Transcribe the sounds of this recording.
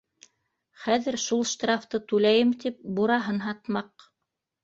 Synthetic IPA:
χæðɘ̆ɾʃulˠʃt̪rɑft̪ɤt̪ʉlæjɘmt̪ip̚buɾɑɦɤnɦɑt̪mɑq

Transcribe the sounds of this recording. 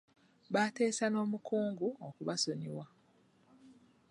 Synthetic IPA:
βaːte̞ːsano̞ːmukʰuːŋɡuokuβaso̞ɲiwa

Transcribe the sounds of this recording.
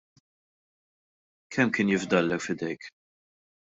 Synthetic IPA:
kʰɛmːkɪːnjɪvd̪ɐlːɛkfɪd̪ɛjk

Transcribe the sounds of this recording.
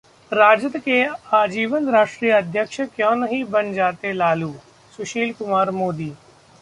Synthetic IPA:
ɾaːd͡ʒət̪keaːd͡ʒiːʋənɾaːʂʈɾiːjəɐd̪ʱjəkʃəkjɔ̃ːnɐɦĩbɐnd͡ʒaːt̪elaːluː | sʊʃiːlkʊmaːɾmoːd̪iː

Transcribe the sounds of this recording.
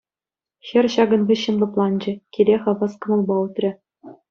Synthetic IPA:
xʲɘ̆rʲɕɑɡɤ̆nvʲɘ̆ɕːɘ̆nlˠɤ̆plˠɑnd͡ʑɘ̆kʲilʲeχɤ̆ʋɤskɤ̆mɤ̆lˠbɑut̪rʲɘ̆

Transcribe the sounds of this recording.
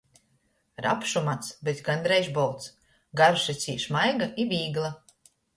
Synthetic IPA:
ɾa̰pʃumat̪sbɛt̪ɡand̪ɾɛjʒbɔlˠt̪s | ɡaɾʃɛt̪sʲḭːʃmajɡaibiːɡlˠa

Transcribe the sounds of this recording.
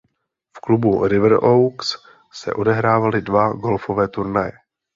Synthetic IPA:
fklubuɾɪvɾowks | sɛ̰ʔo̞dɛɦɾaːvalɪdvaɡo̞lfovɛːt̪uɾnajɛ

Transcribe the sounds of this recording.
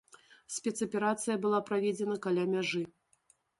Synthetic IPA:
sʲpʲɛt̪sɐpʲɛɾat̪sɨjɐbɨlˠapɾavʲɛd͡zʲɛnɐkalʲamʲaʐɨ

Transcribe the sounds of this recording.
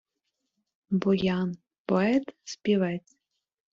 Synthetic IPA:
bɔjɑn | pɔɛt̪spʲiʋɛt͡sʲ

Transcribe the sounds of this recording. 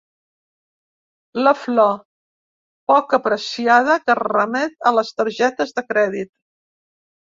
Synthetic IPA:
ləflɔ | pɔkəpɾəsiað̞əkərəmɛt̪ələst̪əɾʒɛt̪əzðəkɾɛðit̪̚

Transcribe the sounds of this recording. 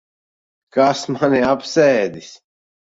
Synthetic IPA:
kasmaniapsɛːd̪is

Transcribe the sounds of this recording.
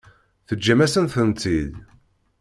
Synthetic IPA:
θəd͡ʒːæmæsənθənt̪il

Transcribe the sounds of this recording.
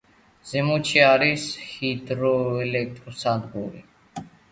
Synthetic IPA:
z̥ɛmut͡ʃʰiaɾishid̪ɾɔɛlɛk̚t̪ʼɾɔsad̪ɡṵɾḭ

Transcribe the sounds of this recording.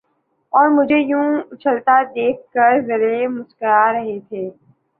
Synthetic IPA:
ɔːɾmʊd͡ʒʱejũːt͡ʃʰəlt̪ad̪eːk̚ʰkəɾzɐɾemʊskəɾaɾɐɦet̪ʰeː

